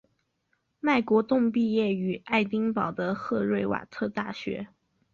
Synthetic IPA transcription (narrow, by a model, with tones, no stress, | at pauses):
ma˥˩ɪkwɔ˧˥t̪ʊ˥˧ŋpi˥˧jɛ˥˩y˨˩a˥˩ɪt̪i˥ŋpɑ˨˩ʊd̪ə˦xɤ˥˧ɻwe˥˩ɪwa̰˨˩t̪ʰɤ˥˧t̪a˥˩ɕɥɛ̰˧˥